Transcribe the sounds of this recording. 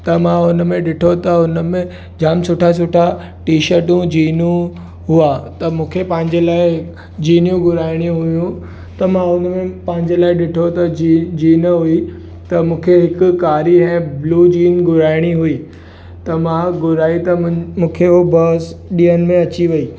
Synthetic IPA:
t̪ɐmãʊnmẽɗɪʈʰot̪ɐʊnəmẽ | d͡ʑaːmsʊʈʰas̬ʊʈʰa | ʈiːʃəɾʈũd͡ʑiːnũ | ɦʊat̪ɐmũːkʰepɐ̃ɦɪ̃ɲd͡ʑelaːɪ | d͡ʑiːnjũɡʊɾaːɪɽ̃ijũɦʊjũ | t̪ɐmãʊnmẽpɐ̃ɦɪ̃ɲd͡ʑelaːɪɗɪʈʰot̪ɐd͡ʑiːnɦʊi | t̪ɐmũːkʰeɦɪkʊkaːɾiɦɛ̃ːbluːd͡ʑiːnɡʊɾaːɪɽ̃iɦʊi | t̪ɐmãɡʊɾaːit̪ɐmũːkʰeɦobɐːsɗiːənɪ̆mẽɐt͡ɕiʋɐiː

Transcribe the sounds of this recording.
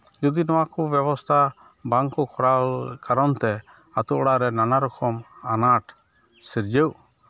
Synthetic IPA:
d͡ʒɔd̪inɔwakɔbjɛbɔst̪ʰa | baŋkɔkʰɔɾalkaɾɔnt̪ɛ | at̪uʔɔɽaʔɾɛnanaɾɔkʰɔmanaʈ | siɾd͡ʒəw

